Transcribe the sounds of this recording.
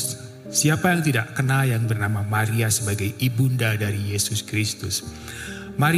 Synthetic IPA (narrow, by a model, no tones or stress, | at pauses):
siapajaŋt̪idaʔkənajaŋbərnamamaɾiasəbaɡajibundadaɾijesʊskɾist̪ʊs | maɾ